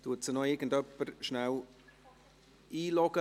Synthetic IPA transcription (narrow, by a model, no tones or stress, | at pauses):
t̪uətsənɔɪɾɡən̩dœpːəɾʃnaw | iːlɔɡ̥ə